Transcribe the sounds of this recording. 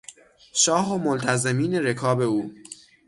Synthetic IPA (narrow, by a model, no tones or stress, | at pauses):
ʃɒːɦomolt̪ʰæze̞miːne̞ɾe̞kʰɒːbe̞uː